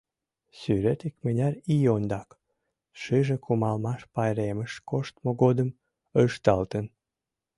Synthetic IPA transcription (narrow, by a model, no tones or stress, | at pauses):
syɾet̪ikmenʲærijond̪ɑk | ʃɨʒĕkumɑlmɑʃpɑjɾeməʃkoʃt̪moɣod̪əm | øjʃt̪ɑlt̪ən